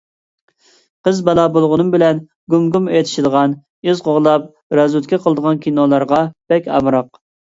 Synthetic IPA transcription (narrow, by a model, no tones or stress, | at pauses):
qʰəzbɑlˠɑːbolˠʁʊnɨmbɪlɛn | ɡumɡumet̪ʰɪ̥ʃid̪əʁɑn | yzqʰoʁlˠɑp̚ | ɾɑzut̪kʲɛqʰəlˠəd̪əʁɑnkʲʰinolˠɑɾʁɑb̥ɛkʲɑ̰mɾɑq